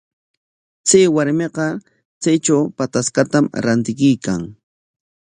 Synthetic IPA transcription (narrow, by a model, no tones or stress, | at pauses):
t͡sajwaɾmeqɑ | t͡sajt͡ʃawpat̪askat̪amɾant̪ɪkʊjkaŋ